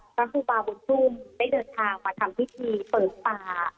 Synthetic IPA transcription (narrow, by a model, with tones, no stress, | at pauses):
pʰa˦˥kuː˧˩baː˧bu˧˦nt̪ʰu˥˩mda˥˩jdɤː˧nt̪ʰaː˧ŋmaː˧t̪ʰa˧mpʰi˦˥t̪ʰiː˧pɤː˨˩t̪̚paː˧